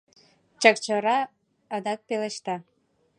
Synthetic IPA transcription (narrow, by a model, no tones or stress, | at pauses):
t͡ɕəkt͡ɕəɾɑ | ə̆d̪ɑk̚peleʃt̪ɑ